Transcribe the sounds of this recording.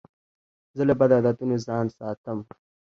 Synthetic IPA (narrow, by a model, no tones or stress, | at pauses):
zəlɐbad̪ad̪at̪unozɑːnsɑːt̪əm